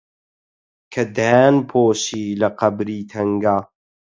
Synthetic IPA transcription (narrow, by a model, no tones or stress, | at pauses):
kʰɐd̪ænpʰoːʃiːlɐqɐbɾiːt̪ʰɐŋɡaː